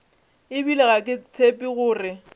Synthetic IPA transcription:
ɪbileɣakʼɪt͡sʰepʼiɣʊːrɪ

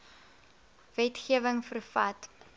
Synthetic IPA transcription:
vɛtχiəvəŋfərfɐ̰t

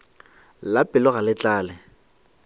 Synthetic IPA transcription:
lapʼɪlɔɣalɪt͡ɬʼaːlɪ

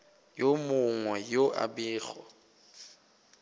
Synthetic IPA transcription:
jomʊŋwɛjoʔa̰bɪːɣɔ̰

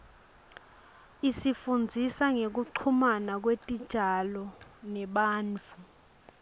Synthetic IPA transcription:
isifund͡zʱisaŋek̬uǃʰumanak̬wetʼid̥ʒ̥ʱalɔnɛɓaːnt͡fu

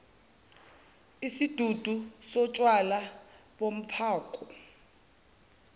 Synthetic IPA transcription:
isid̥ʱud̥ʱusɔt͡ʃʼwalaɓom̩pʰaːkʼɔ

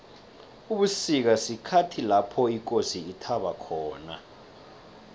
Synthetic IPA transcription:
uɓusik̬asikʰatʰilapʰɔik̬ʼosiːtʰaɓakʰɔːna̰

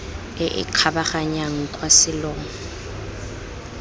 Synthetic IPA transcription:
ɪʔɪ̰kʰabaχaɲaŋ̩kʼwasɪlɔːŋɔ

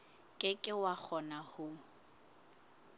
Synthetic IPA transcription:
kʼɪkʼɪwak͡xʰɔnahʊ

